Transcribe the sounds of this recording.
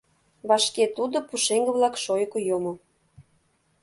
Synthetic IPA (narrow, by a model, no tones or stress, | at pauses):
βɑʃket̪ud̪opuʃeŋɡə̆βlɑkʃojkojomŏ